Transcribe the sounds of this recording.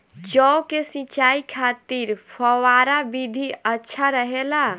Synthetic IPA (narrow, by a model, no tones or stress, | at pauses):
d͡ʒɔokesit͡ʃaikʰat̪iɾpʰəwaɾabid̪ʱiətːʃʰaɾəɦela